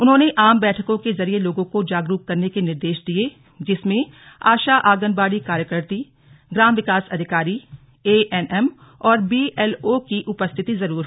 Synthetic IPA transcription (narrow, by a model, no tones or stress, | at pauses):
ʊnɦõːneʔaːmbɛːʈʰəkõkezɐɾieloːɡõkod͡ʒaːɡɾukːɐɾnekenɪɾd̪eːʃd̪ie | d͡ʒɪsmẽ | a̰ːʃaʔaːɡənbaːɽikaːɾjəkəɾt̪i | ɡɾaːmʋɪkaːsɐd̪ʱɪkaːɾi | eːʔɛnʔɛm | ɔːɾbiːɛːlokiʔʊpəst̪ʰɪt̪izɐɾuːɾ